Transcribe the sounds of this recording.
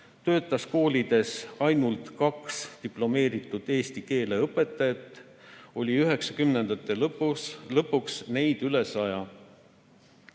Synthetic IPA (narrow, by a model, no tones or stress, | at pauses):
t̪ø̞ːt̪ːˑɑsko̞ːlʲid̪̥e̞sɑjnult̪kɑkst̪iplo̞me̞ːɾit̪ːˑud̪̥e̞ːst̪ike̞ːle̞ɤpːˑe̞t̪ːˑɑjɑt̪ˑː | o̞lʲiyɦe̞ksɑkymnend̪̥ɑt̪ːˑe̞lɤpːuslɤpːˑuksne̞jd̪̥yle̞sɑjɑ